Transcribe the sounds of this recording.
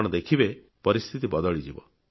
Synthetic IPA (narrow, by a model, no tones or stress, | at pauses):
ɽ̃ɔd̪ekʰibe | pɔɾist̪ʰit̪ibɔd̪ɔɭid͡ʒibɔ̰